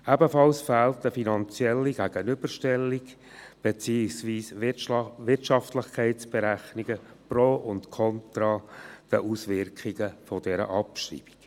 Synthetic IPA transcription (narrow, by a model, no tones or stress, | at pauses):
æbəfɑlsfæːltəfinɑnt͡sjɛlːiɡ̥æɡ̥ənʏb̥əɾʃtɛlːiɡ | b̥ɛt͡siːsʋiːs | ʋɪrtʃɑftlɪχkʰɛɪtsb̥ɛɾæχniɡə | pɾoːʔʊntkʰɔntɾɑːd̥əʔusʋɪɾkχiɡəfɔdɛɾə̰ʔɑpʃrḭːb̥i̥k